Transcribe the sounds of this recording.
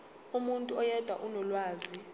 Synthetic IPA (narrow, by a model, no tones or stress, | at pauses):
umuntʼuɔjɛd̥ʱwa̰ʔunɔlwaːzi